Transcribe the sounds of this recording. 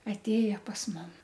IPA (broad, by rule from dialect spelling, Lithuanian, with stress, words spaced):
ɐtʲˈeːjɛ pɐs ˈmʊm